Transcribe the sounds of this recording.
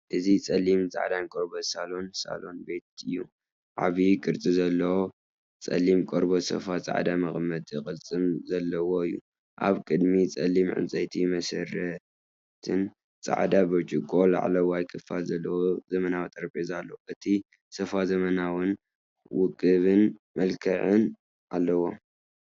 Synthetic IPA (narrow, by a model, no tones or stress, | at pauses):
ʔɨzit͡sʼɐlimt͡sʼa̰ʕd̪ankʼoɾbosalo̞nsa̰lo̞nbe̞t̪̚ɨjːu | ʕa̰βikʼɨɾt͡sʼizɐlːɐwo | t͡sʼɐ̰limkʼoɾbosɐ̰fat͡sʼa̰ʕd̪amɐxmɐd̪jɨxʼɨlt͡sʼɨmzɐlːɐwo̞ɨjːṵ | ʔa̰βkʼɨd̪mit͡sʼɐ̰lːimʕɨ̰nt͡sʼɐjt̪ʰimɐsɐrɐ | t̪ʰɨn | t͡sʼa̰ʕd̪abot͡ʃʼiɡʼola̰ʕa̰lɐwajkʰɨfalzɐlːɐwozɐmɐnawt̪ʼɐɾpʼezalːɐwʔɨt̪ʰi | sɐfazɐmɐnawɨn | wʊkʼɨβɨnmɐlkʰɐʕɨn | ʔalːɐwo